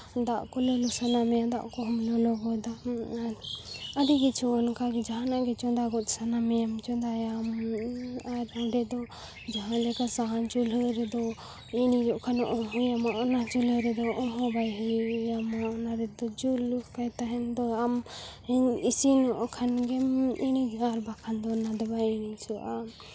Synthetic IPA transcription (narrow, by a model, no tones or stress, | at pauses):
d̪aʔkɔlɔlusanamɛjad̪a̰ʔkɔɦɔmlɔlɔɡɔd̪a | aɾiɡit͡ʃʰuɔnkaɡɛd͡ʒaɦãnaʔɡɛt͡ʃɔd̪aɡɔt̪̚sanamɛjamt͡ʃɔnd̪ajam | aɾɔɖɛd̪ɔ | d͡ʒaɦãlɛkasaɦãnd͡ʒuləɾɛd̪ɔ | inid͡ʒɔʔkʰanɔʔɔmɦujamaʔɔnat͡ʃuləɾɛd̪ɔʔɔmɦɔbajɦəamaɔnaɾɛd̪ɔd͡ʒulukajt̪aɦɛnd̪ɔamɛnisinɔʔɔkʰanɡɛminiɡaɾbakʰand̪ɔnad̪ɔbajinit͡ʃʰuʔa